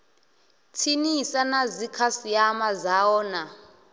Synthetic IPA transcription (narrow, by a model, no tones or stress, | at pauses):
t͡sʰinisanazikʰasiamazawɔːna